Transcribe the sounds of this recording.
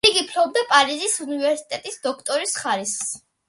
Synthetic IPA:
iɡipʰlɔb̚d̪apʼaɾizisunivɛɾsi̥t̪ʼɛt̪ʼisd̪ɔkʰt̪ʼɔɾisχaɾis

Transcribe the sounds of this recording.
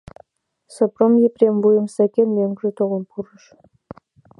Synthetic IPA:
sɤ̆promjeprʲemvujə̆msækʲenmeŋɡʒĕt̪oʁə̆npʰuɾə̆ʃ

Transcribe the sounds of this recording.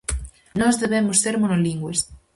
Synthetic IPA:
nɔzðeβɛmosːeɾmonoliŋɡwes

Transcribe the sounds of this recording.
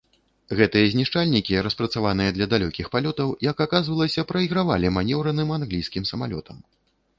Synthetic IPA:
ɣɛt̪ɨjɐzʲnʲiʂt͡ʂalʲnʲikʲiɾɐspɾɐt̪savan̪ɨjɐd̪lʲɐd̪alʲɔkʲixpalʲɔt̪ɐwjɐkakazvɐlˠɐsʲɐpɾɐiɣɾavalʲimanʲɛwɾɐnɨmanɣlʲijskʲimsɐmalʲɔ̰t̪ʰɐm

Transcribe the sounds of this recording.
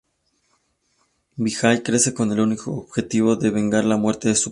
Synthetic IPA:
bixajkɾe̞se̞ko̞ne̞lunikoːβxe̞t̪iβ̞o̞ðe̞βe̞ŋɡaɾlamwe̞ɾt̪e̞ðesu

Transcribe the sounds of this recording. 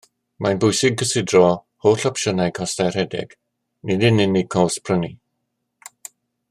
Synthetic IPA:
manbʊjsɪɡ̚əsɪdrɔ | hoːɬɔpʃənajkʰɔstajr̥hɛdɪ̰ɡ̥ | nɪdɪnɪnɪɡ̚kʰɔwspʰrəni

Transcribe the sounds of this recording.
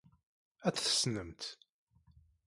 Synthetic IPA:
æt͡sθə̥snəmt̪

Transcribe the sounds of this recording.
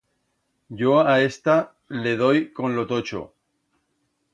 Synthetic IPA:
ɟ͡ʝoae̞st̪a | le̞ð̞o̞jko̞nlot̪o̞t͡ʃo̰

